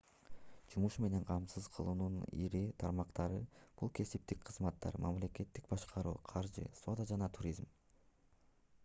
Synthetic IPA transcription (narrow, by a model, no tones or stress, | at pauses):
d͡ʒumuʃme̞ne̞ɴqʰɑmsɯzqʰɯlˠuːnunḭɾit̪ʰɑɾmɑqt̪ɑɾɯb̥ulˠkʰe̞sip̚t̪ik̚qʰɯzmɑt̪ːɑ̰ɾmɑmle̞ke̞t̪ːik̚bɑʃqʰɑɾṵːqʰɑɾd͡ʒɯ̰so̞d̪ɑd͡ʒɑnɑt̪ʰuɾʲizm